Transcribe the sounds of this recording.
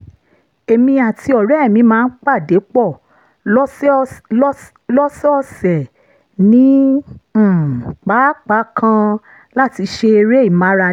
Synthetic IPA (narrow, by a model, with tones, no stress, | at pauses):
e˨mĩ˧a˨ti˧ɔ˨ɾɛ˦˨mĩ˧˦mãː˦˧n̩˦k͡pa˦˨de˨˦k͡pɔ˦˨˦ | lɔ˦sɛ˦ɔ˧sɛ˨ | nĩ˦˨ | k͡pa˨˦k͡pa˨˦kʰã˧ | la˦ti˨˧ʃe˧ɾe˦i˦˨mã˨˦ɾa˧